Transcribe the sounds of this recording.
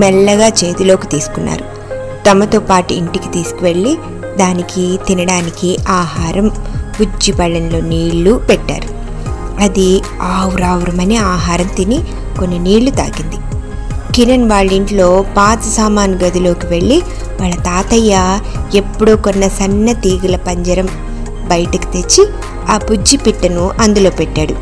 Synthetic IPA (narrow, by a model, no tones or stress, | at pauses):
mɛɭːɐɡaːt͡ʃe̞ːt̪ilo̞ːkit̪iːsu̥kunːa̰ːɾu | t̪ɐmɐt̪oːpaːʈuiɳʈiki̥t̪iːsu̥kuʋe̞ɭːi | d̪aːnikit̪inɐɽaːnikiaːɦaːɾɐmpud͡ʒːipɐɭːɐnlo̞ːniːɭːupɛʈːa̰ːɾu | ɐd̪i | aːwuɾaːwɾɐmɐneaːɦaːɾɐnt̪ini | konːiniːɭːut̪a̰ːɡind̪i | kiɾɐnʋaːɭiɳʈlo̞ːpaːt̪ɐsaːmaːnɡɐd̪ilo̞ːkiʋe̞ɭːi | ʋaːɭːɐt̪aːt̪ɐjːaepːuɽoːkonːɐsɐnːɐt̪iːɡulɐpɐɲd͡ʒɐɾɐm | bɐjɐʈɐki̥t̪e̞t͡ʃːi | aːpud͡ʒːipiʈːɐnuʔɐnd̪ulo̞ːpɛʈːaːɽu